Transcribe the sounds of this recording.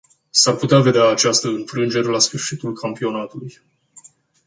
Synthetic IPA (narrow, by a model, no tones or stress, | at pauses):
sarput̪eave̞d̪eaːt͡ʃast̪əɨnfɾɨnd͡ʒe̞ɾelasfɨrʃit̪ulkʰampio̞nat̪uluj